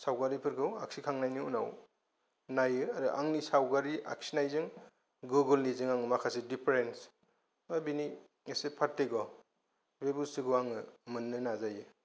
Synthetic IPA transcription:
sawɡaɾipʰɯɾkʰɯwa̰ksikʰaŋnajniunaw | najɯaɾɯʔa̰ŋnisawɡaɾiʔa̰k̚sinajzɯŋ | ɡuɡɯlnizɯŋaŋɯmakʰasidipʰeɾens | mabini | ŋesepʰatːeɡɔ | bebulsiɡuwaŋɯmɯnːɯnazajɯ

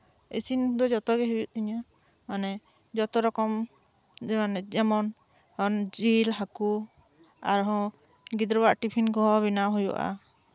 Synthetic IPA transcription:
ḛsind̪ɔd͡ʒɔt̪ɔɡɛɦibiʔt̪iɲa | manɛ | d͡ʒɔt̪ɔɾɔkɔm | d͡ʒɛmanɛd͡ʒɛmɔn | hɔnd͡ʒilɦaku | aɾɦɔ̃ | ɡid̪ɾɔbaʔʈipʰinkɔɦɔbinaɦujɔ̰ʔa̰

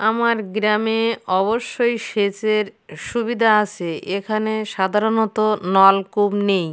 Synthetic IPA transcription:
amaɾɡɾameɔβoʃːojʃet͡ɕeɾʃubid̪ʱaat͡ɕʰeekʰaneʃad̪ʱaɾonɔt̪onɔlkubnej

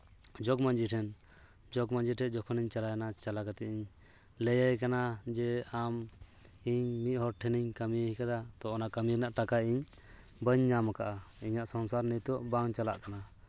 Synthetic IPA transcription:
d͡ʒɔkmand͡ʒiʈʰɛn | d͡ʒɔɡmand͡ʒiʈʰɛd͡ʒɔkʰɔniɲt͡ʃalajanat͡ʃalakat̪ɛiɲ | lɛjəjkanad͡ʒɛam | iɲmit̪̚hɔɾʈʰɛniɲkamijəhikad̪at̪ɔɔnaʔkəmiɾnaʔʈakaiɲ | bəɲɲamakaʔaiɲaʔsɔnsaɾnit̪ɔʔbaŋt͡ʃala̰ʔkana

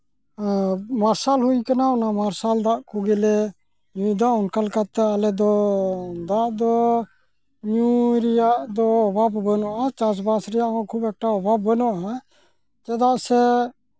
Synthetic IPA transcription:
maɾsalɦujkanaɔnamaɾsald̪aʔkuɡɛlɛ | jũid̪aɔnkalkat̪ːɛalɛd̪ɔ | d̪aʔd̪ɔ | jũɾɛjaʔd̪ɔɔbʱabbənɔʔat͡ʃasbasɾɛjaʔkɔ̃kʰubɛk̚ʈaɔbʱabːənɔʔa | t͡ʃɛd̪aʔsɛ

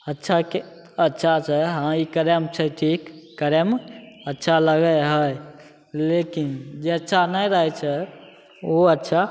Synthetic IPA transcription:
ətːʃʰake | ətːʃʰat͡ʃʰɛɦãikəɾemt͡ʃʰəʈʰikːəɾemətːʃʰaləɡəjɦəj | lekind͡ʒeətːʃʰanəjɾəɦɛt͡ʃʰɛ | oətːʃʰa

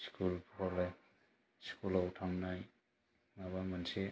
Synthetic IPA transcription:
skulpʰɔlaj | skulawʈʰamnaj | maβamanse

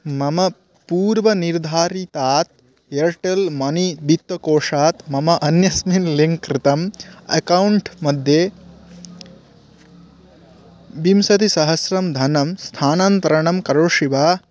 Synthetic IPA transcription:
mɐmɐ | puːɾʋɐniɾd̪ʱaːɾit̪aːt̪̚ | eɾʈelmɐnibʱit̪wɐkoːʂaːt̪mɐmɐʔɐnjɐsminliŋkːɾɪt̪ɐmɐ̰kɐwuɳʈmɐd̪ʱjeː | bimsɐt̪isɐɦɐsɾɐmd̪ʱɐnɐmst̪ʰaːnaːnt̪ɐɾɐɳɐmkɐɾoʃiʋaː

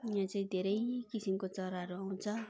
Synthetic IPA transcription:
ɦãt͡saĩd̪ʱeɾʌjkisimkot͡sʌɾaɦʌɾuaw̃t͡sʰʌ

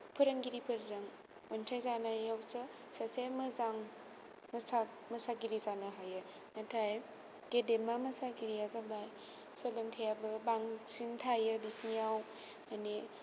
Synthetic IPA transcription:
pʰɯɾəŋɡiɾipʰɯɾzaŋ | ojntʰajzanajawsɯ | sasemɯzaŋ | mɐsa | mɐsaɡiɾizanɯɦajɯ | natʰaj | ɡedemamɐsaɡiɾiazabaj | sɐlɯŋtʰajabɯbaŋsintʰajɯbisnijaw | mani

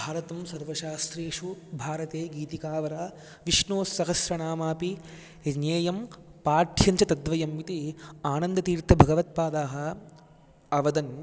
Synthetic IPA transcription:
bʱaːɾɐt̪ɐmsɐɾʋɐʃaːst̪ɾeːʂubʱaːɾɐt̪eːɡiːt̪ikaːʋɐɾaː | ʋiʂɳoːsːɐɦɐsɾɐɳaːmaːpi | njeːjɐmpaːɾt̪ʰjɐɲt͡ʃɐt̪ɐd̪ʋɐjɐmʋit̪iaːnɐnd̪ɐt̪iːɾt̪ʰɐbʱɐɡɐʋɐt̪̚paːd̪aːɦɐ̆ | ɐʋɐd̪ɐn

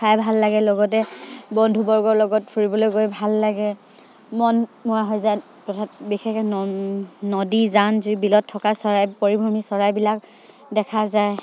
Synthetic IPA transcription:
kʰajbʱalːaɡɛlɔɡɔt̬ɛbɔndʱubɔɹɡɔɹlɔɡɔtfʰuɹibɔlojɡojbʱalːaɡɛ | mɔnmʊaɦɔjzaj | tɔtʰabixɛk | nɔdizanzibilɔtʰːɔkasɔɹajpoɹibʱɔmisɔɹajbilak | dɛkʰazaj

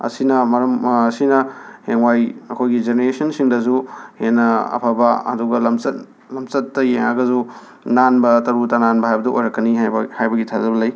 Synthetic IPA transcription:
ɐ̰sinɐmɐɾɐmːsinɐheŋwajɐkʰojɡid͡ʒeneɾesɐnsiŋdɐzuhenːɐɐ̰pʰabɐɐ̰duɡɐlɐmsɐt̚ | lɐmt͡ʃɐtːɐjeŋaɡɐzu | nanbɐtɐɾutananbɐɦajbɐdɐʔojɾɐkːɐnihajbɐɡitʰazɐbɐlɐj

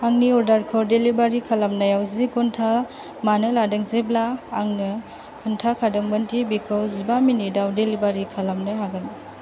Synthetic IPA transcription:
aŋniɔɾdaɾkʰɔɾdelibaɾikʰalamnajawzikɔntʰa | manɯladɯŋzeblaːŋnɯ | kʰɯntʰakʰadɔŋbɐntibikʰɯwzibaminidawdelibaɾikʰalamnɯɦaɡani

